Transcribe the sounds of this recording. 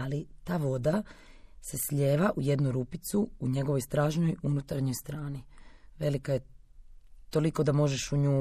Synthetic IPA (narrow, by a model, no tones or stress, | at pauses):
alit̪aːʋo̞d̪ase̞sʎe̞ːʋaʔuje̞d̪nuɾupit̪suuɲe̞ɡo̞ʋojst̪ɾaːʒno̞junut̪aɾɲo̞jst̪ɾaːniʋe̞likaje̞ | t̪o̞liko̞d̪amo̞ʒeʃuɲuː